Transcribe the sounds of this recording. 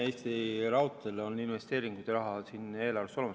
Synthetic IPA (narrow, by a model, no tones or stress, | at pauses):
e̞ːst̪irɑwt̪ːˑelo̞nːinve̞st̪e̞ːɾiŋɡ̥ujd̪̥ɑɾɑɦɑsine̞ːlɑrvest̪ːo̞lemɑ